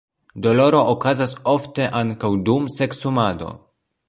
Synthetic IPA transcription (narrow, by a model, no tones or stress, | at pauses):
do̞lo̞ɾo̞ʔokazaso̞fte̞ʔaŋkawdumse̞ksumado̞̰